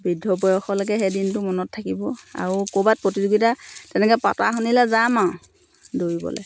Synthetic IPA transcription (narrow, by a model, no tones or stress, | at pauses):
bidʱːɔbɔjɔxɔlɔkɛɦɛdintʊmɔnɔtʰːakibɔa̰ɹukobat̚pɹotizuɡitatɛnɛkɔpa̰ta̰xunilazamã | doɹibɔ̰lɛ̰